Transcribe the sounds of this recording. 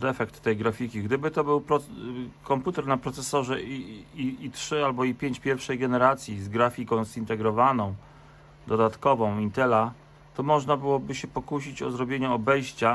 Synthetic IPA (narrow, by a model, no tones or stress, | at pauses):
d̪ɛfɛkt̪ːɛjɡɾafʲikʲiɡd̪ɘbɘt̪ɔbɘwpɾɔkɔmput̪ɛɾnapɾɔt̪sɛsɔʐɛiiitʂɘalbɔipʲjeɲt͡ɕpʲjɛɾfʂɛjɡɛnɛɾat̪sʲjizɡɾafʲikɔ̃w̃zint̪ɛɡɾɔvanɔ̃w̃ | d̪ɔd̪at̪kɔvɔ̃w̃int̪ɛla | t̪ɔmɔʐnabɘwɔbɘɕɛpɔkuɕit͡ɕɔzɾɔbʲjeɲɛɔbɛjɕt͡ɕa